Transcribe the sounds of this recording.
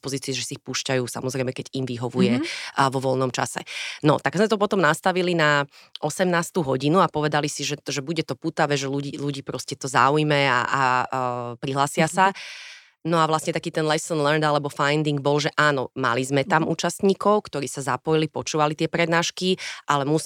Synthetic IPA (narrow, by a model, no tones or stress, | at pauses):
pɔziːt͡siɛʒɛsiixpuːʃcajuːsa̰mɔzɾɛɪmɛkɛɟimʋiɦɔʋujɛʋɔʋɔlnɔmt͡ʃa̰sɛ̰nɔ̰t̪aɡzmɛt̪ɔpɔt̪ɔmnast̪aʋilinaʔɔsɛmnaːst̪uːɦɔɟinuapɔʋɛd̪alisiʒɛʒɛbuɟɛt̪ɔput̪aʋɛʒɛluɟiːluɟiːpɾɔscɛt̪ɔza̰ːujmɛa̰a | pɾiɦlaːsɪasa | nɔaʋlasɲɛt̪akiːt̪ɛnlɛsɔnlɛɾnd̪alɛbɔfajnd̪iŋɡ̚bɔlʒɛʔaːnɔma̰lizmɛt̪amuːt͡ʃast̪ɲiːkɔʊkt̪ɔɾiːsazapɔjilipɔt͡ʃuːʋalit̪ɪɛpɾɛd̪naːʃkiʔalɛmu